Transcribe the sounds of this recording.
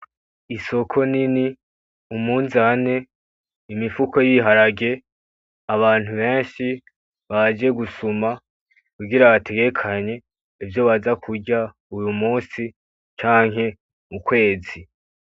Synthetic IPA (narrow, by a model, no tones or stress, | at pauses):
iso̞kʰo̞nini | umuːnzane̞ | imifukʰo̞jiɦaɾaɡe̞ | aβaːn̥huβe̞ːnʃi | βad͡ʒe̞ɡusuma | kuɡiɾaβatʰe̞ɡe̞kʰaɲe̞ | ivjo̞βazakʰuɟa | ujumuːnsi | t͡ʃaːŋɦe̞ | ukwe̞ːzi